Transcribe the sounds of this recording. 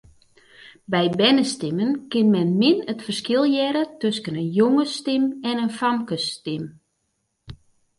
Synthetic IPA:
bɛjbɛnəstɪmənkɪnmɛnmɪnətfərskɪlˠjɛɾətøskənənjoŋəstɪmɛnənfankəstɪm

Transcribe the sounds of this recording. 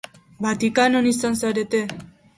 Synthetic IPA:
bat̪ikanonisansaɾe̞t̪e̞

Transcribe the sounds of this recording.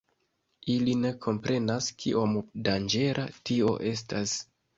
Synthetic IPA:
iline̞kʰo̞mpɾʔe̞naskʰiʔomdand͡ʒe̞ɾʔa̰tio̞̰ʔe̞stas

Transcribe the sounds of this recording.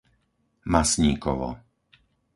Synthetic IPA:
masɲiːkɔʋɔ̰

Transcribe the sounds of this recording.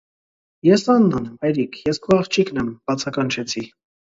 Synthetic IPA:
jɛsɑnːɑnɑjɾikʰjɛskʰuɑχt͡ʃʰiknɛmb̥ɑt͡sʰɑkɑnt͡ʃʰɛt͡sʰi

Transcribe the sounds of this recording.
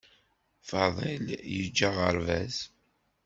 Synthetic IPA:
fɑðˤeljəd͡ʒːaʁəɾvæz

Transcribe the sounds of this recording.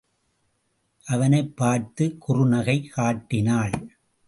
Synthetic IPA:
ʔɐʋɐnɐɪpːaːɾt̪ɯkʊrʊnɐɣɐɪkaːʈːɪnaːɭ

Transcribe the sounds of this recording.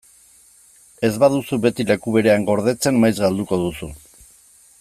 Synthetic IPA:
e̞zβað̞usuβe̞t̪ile̞kuβeɾe̞aŋɡo̞ɾð̞e̞t͡se̞nmːajzɣald̪uko̞ðusu

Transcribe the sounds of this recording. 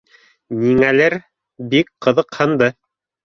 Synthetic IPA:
niŋælɘɾ | bikqɤ̆ðɤ̆qhɤ̆nd̪ɤ

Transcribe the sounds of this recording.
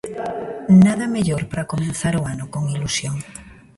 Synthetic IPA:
naðameʎoɾpaɾakomẽnθaɾoanʊkoŋilusjoŋ

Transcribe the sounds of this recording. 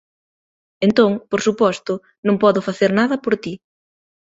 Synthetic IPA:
ent̪oŋpoɾsupɔst̪ʊ | nõŋpɔðʊfaθeɾnaðɐpoɾt̪i

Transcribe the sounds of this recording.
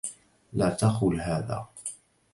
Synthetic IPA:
laːt̪axʊlɦaːða̰ː

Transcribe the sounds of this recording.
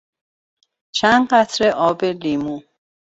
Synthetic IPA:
t͡ʃʰænɢæt̪ʰɾeʔɔːbelimu

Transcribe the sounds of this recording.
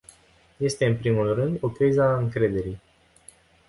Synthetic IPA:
je̞st̪e̞ɨnpɾimulrɨnd̪o̞kizaɨŋkɾe̞d̪e̞ɾij

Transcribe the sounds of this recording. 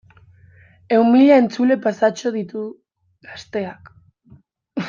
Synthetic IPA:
e̞umiʎaent͡sule̞pasat͡ʃo̞ð̞it̪u | ɣ̥ast̪e̞ak

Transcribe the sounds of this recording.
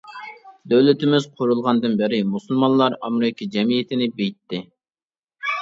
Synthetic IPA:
d̪øwlɪt̪ɪmɪzqʰʊɾulˠʁɑnd̪ɨnbɪɾɪmusulˠmɑnlˠɑɾɑmɾɪkʲʰid͡ʒɛmijet̪ʰɪnɪbejt̪ːɪ

